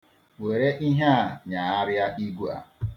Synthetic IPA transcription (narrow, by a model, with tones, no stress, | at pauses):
we˨ɾe˦ʔi˦ɦa˦˨ɲa˨a˦ɾɪ˦a˦ʔi˦ɡu˦a̰˨